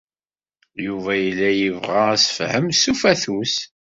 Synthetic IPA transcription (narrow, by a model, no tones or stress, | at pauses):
juvæjəlːæjəvʁaæsə̥fhəmsufæθus